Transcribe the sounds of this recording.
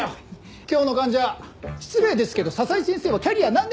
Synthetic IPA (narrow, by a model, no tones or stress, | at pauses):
kʲoːno̞kãɲ̟d͡ʑaaçi̥t͡sɨme̞ːd̪e̞sɨ̥ke̞d̪o̞sasaisẽse̞ːβakʲaɾʲianãnd̪